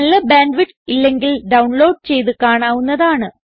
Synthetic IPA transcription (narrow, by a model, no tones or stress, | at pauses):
ɐlːɐbaːɳɖʋiʈː | ilːe̞ŋɡilɖɐwɳlo̞ːɖ̚t͡ɕe̞jt̪̬ɨkaːɳaːʋunːɐðaːɳɨ